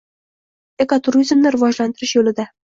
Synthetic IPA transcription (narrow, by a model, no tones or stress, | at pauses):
e̞kot̪ʰʊɾizmnɪɾɪvɒd͡ʒlant̪ɪɾɪʃjolɪd̪a